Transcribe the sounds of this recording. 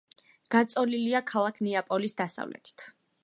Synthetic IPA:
ɡ̥at̪sʼɔliliakʰalˠakʰnɛapʼɔlisd̪asa̰vlɛ̰t̪ʰi̥t̪ʰ

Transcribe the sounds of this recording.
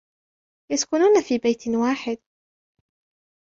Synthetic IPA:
jaskʊnuːnafiːbajt̪waːħɪd̪̚

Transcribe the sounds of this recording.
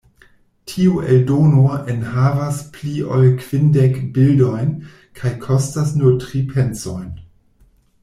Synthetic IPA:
tʰiueldonoenhavaspliʔolkv̥indekbildo̞jn | kʰajkʰostasnuɾtʁipʰent͡sojn

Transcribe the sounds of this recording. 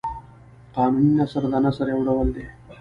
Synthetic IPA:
qanunjasəɾd̪anasəɾeʋuɽəʋəld̪e

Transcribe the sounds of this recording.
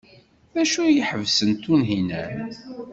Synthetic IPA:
ðæʃujiħəvsənt̪unɦinæɾ

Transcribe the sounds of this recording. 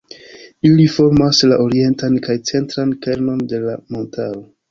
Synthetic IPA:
ilifo̞ɾmaslaʔo̞ɾie̞ntankajt͡se̞ntɾanke̞ɾno̞nde̞lamo̞ntao

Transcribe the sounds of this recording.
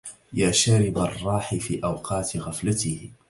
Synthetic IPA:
jaːʃaɾɪbarˤːɑːħɪfiːʔawqʰɑːt̪ɣaflat̪ɪh

